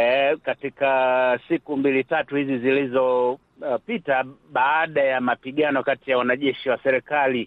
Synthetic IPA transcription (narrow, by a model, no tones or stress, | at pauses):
katikasikumbilitatuhizizilizɔ | pitaɓaːɗajamapiɠanɔkatijawanaʄɛʃiwasɛɾɛkali